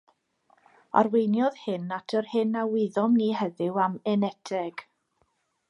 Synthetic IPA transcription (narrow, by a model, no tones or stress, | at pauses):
a̰rwenjɔð̥hɪnatʰərhɪnawɪðɔmniːɦɛðɪwamɛnɛtʰɛɡ̥